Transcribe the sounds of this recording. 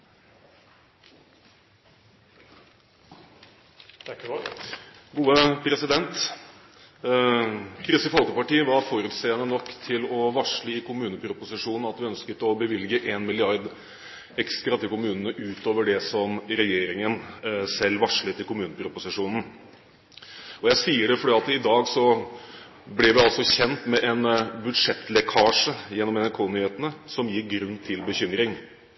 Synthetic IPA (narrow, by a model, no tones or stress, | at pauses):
ɡuːəpʰɾɛsɪd̪ɛnt̪ | kʰɾɪsəfɔlkəpɑʈiːəʋɑɾfɔɾʉːt̪seːənənɔkːt̪ʰɪlɔʋɑʂɭəɪkʰʊmʉːnəpʰɾʊpʊsɪʂuːnn̩ɑt̪̚d̪ɪœnskət̪ɔbəʋɪlɡəʔeːnmɪlɪɑɾd̪ | ɛkst̪ɾɑt̪ɪlkʊmʉːnənəʔʉːt̪oːʋəɖɛsɔmɾɛjeːɾɪŋənsɛlːʋɑʂlət̪ʰɪlkʊmʉːnəpʰɾʊpʊsɪʂuːnn̩ | ɔjæɪsiːəɖɛfɔɖɛːɑt̪ɪd̪ɑːɡsɔ | blɪɾʋɪɑlsɔçɛnt̪mɛʔɛnbʉd̪ʂɛt̪ːlɛkʰɑːʂəjɛnːɔmɛnæɾkʰoːnyːheːt̪ənəsɔmjɪɾɡɾʉnːt̪ʰɪlbəçʏmɾɪŋ